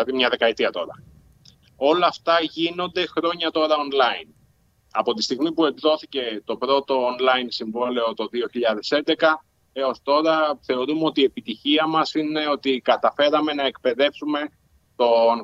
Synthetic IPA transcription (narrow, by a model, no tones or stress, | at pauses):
ɐðimɲɐðe̞kɐit̪iɐt̪o̞ɾɐ | o̞lɐːft̪ɐʝino̞nd̪e̞xɾo̞ɲɐt̪o̞ɾɐonlɐin | ɐpo̞t̪ist̪iɣmipue̞kðo̞θice̞t̪o̞pɾo̞t̪o̞ːnlɐjnsiɱvo̞le̞o̞t̪o̞ðio̞çiʎɐðe̞se̞nd̪e̞kɐ | eost̪o̞ɾɐθe̞o̞ɾumeo̞t̪ie̞pit̪içiɐmɐsine̞o̞t̪ikɐt̪ɐfe̞ɾɐme̞nɐe̞k̚pe̞ðe̞fsume̞ | t̪o̞n